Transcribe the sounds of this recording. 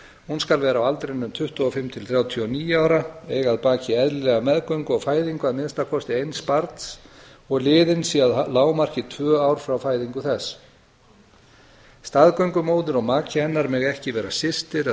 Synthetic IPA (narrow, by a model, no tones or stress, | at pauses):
hunskalvɛːɾawalt̪ɾejnːʏmt̪ʰʏht̪ʏɔfɪmt̪ʰɪlθɾjaːwt̪ʰiɔniːjaːwɾaɛːɣaðpaːcɪɛðlɛɣamɛðkœɥŋkʏɔɣfaːjðiŋkaðmɪnst̪akʰɔst̪ɪejnspaɾt̪sɔɣlɪːðɪnsiaðlaːwmar̥cɪt̪ʰvœːawɾ̥fɾawfaːjðiŋkʏθɛs | st̪aðkœɥŋkʏmoːwðɪɾɔɣmaːcʰɪɛnːaɾmɛɣɛhcɪvɛːɾasɪst̪ɪɾ